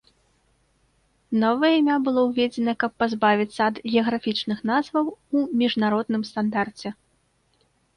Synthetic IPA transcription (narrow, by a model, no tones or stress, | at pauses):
nɔvɐjɐimʲabɨlˠɔwvʲed͡zʲɛnɐkɐpːazbavʲit̪sːɐːd̪ɣʲɛɐɣɾafʲit͡ʂnɨxnazvɐwumʲiʐnaɾɔd̪nɨmst̪and̪art͡sʲɛ